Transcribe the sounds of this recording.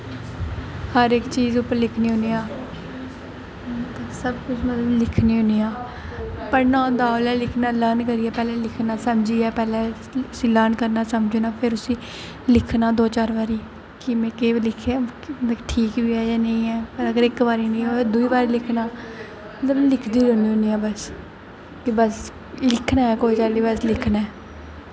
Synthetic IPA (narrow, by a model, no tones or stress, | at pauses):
həɾɪkt͡ʃiːzʊpːəɾlɪkʰniːɦʊniːaː | t̪ːsəbkʊt͡ʃʰmət̪ləblɪkʰniːʊniːaː | pəɾnãːd̪aːlɛːlɪkʰnaːləɾnkəɾiːɛːpɛːleːlɪkʰnaːsəmd͡ʒiːɛːpɛːlɛː | ʊsĩːləɾnkəɾnaːsəmd͡ʒoːnaːpʰɪɾʊsĩː | lɪkʰnaːd̪oːt͡ʃaːɾʋaːɾiː | kɪmẽːkeːbilɪkʰːeːʈʰiːkbiːɛːd͡ʒaːnẽĩːɛːpəɾəɡəɾɪkbaːɾiːnẽːd̪uiːbaːɾiːlɪkʰnaː | mət̪ləblɪkʰd̪iːɾoːniːɦoːniːaːbəs | kɪbəs | lɪkʰnaːɛːkoːiːt͡ʃaːliːbəslɪkʰnɛː